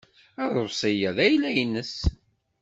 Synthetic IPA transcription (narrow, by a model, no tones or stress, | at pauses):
æðˤosˤijæðæjlːæjənːəs